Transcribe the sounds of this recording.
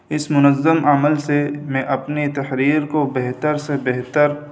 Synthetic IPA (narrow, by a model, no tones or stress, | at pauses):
ɪsmʊnəzːəmaməlsemẽʔɐpnet̪ɐhɾiːɾkobeɦt̪əɾsebɛɦt̪əɾ